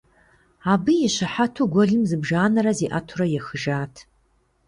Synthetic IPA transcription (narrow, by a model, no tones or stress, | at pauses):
abɨjaʃʷaħatʰuɡʷɔɮɨmzɨbʒaːnaɾaziʔatʰurajaxəʒaːtʰ